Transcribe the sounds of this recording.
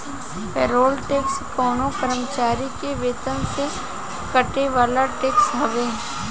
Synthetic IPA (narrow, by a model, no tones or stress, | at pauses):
peːɾoːlʈeːkskɔːnõkəɾəmət͡ʃaːɾikeʋeːt̪ənse | kɐʈeʋaːlaʈeːksɦɐʋeː